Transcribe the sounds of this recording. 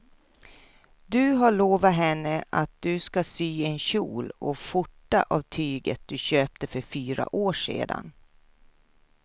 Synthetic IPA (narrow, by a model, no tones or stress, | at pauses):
d̪ɵɦaɭoːvaɦɛnːəʔat̪̚d̪ɵskasyːɛnɕṵːlɔɧʊʈːaʔavt̪ʰyːɡət̪̚d̪̥ɵɕøːp̚t̪əfœɾfyːɾa̰ʔoːʂḛːd̪a̰n